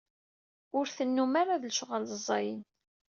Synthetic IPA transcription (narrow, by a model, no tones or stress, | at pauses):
ʊɾθənːumaɾaðəlʃʁalzˤɑjən